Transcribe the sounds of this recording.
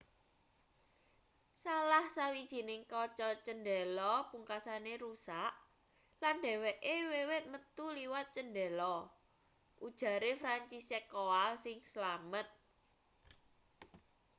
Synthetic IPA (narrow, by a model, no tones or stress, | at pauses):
salahsawid̥ʒ̥i̤nɪŋkɔt͡ʃɔt͡ʃənɖɛlɔpuŋkasaneɾusaʔ | lanɖɛ̤wɛʔewewɪt̪̚mət̪uliwat̪̚t͡ʃənɖɛlɔ | ʔud̥ʒ̥ä̤ɾefɾaɲt͡ʃisɛkoalsɪŋsəlamət̪̚